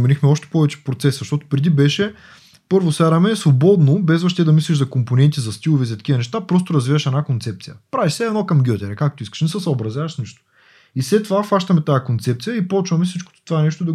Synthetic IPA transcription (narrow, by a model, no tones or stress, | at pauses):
mɛnixmɛɔʃt̪ɛ̥pɔvɛt͡ʃɛ̥pɾot̪sɛszɐʃt̪ɔt̪ʊ̥pɾɛd̪ibɛʃɛ | pɤɾvosaɾɐmɛsvobɔd̪nobɛzvɐʃt̪ɛd̪ɐmislʲiʃzɐkomponɛnt̪izɐst̪ilˠovɛzɐt̪ɐ̥kivɐnɛʃt̪apɾɔs̬t̪oɾɐzvivəʃɛnakont̪sɛp̚t̪sijəpɾaviʃsɛɛd̪nokɐmɡʲjɔt̪ʲɛɾɛkak̚t̪oiskə̥ʃnɛsəsɐobɾɐzʲjavɐʃsniʃt̪o̥ | islɛt̪ːovafaʃt̪ɐmɛt̪ajəkont̪sɛp̚t̪sijəipɔt͡ʃvɐmɛsit͡ʃko̥t̪t̪ovaɛnɛʃt̪od̪ɐ